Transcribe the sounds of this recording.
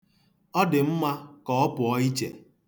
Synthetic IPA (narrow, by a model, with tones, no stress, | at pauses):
ɔ˦dɪ˨m̩˦ma˦kɔ˨˦ɔ˦pʊ˨ɔ˦i˦t͡ʃḛ˨